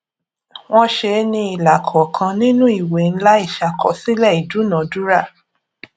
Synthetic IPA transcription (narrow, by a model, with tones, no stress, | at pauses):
w̃ɔ̃˦ʃe˧nĩ˧i˨la˨kʰɔ˨kʰã˧nĩ˦nũ˦i˦˨we˨n̩˦la˦i˦˨ʃa˨kʰɔ˨si˦lɛ˦˨i˨du˨˦nã˨˦du˦ɾa˦˨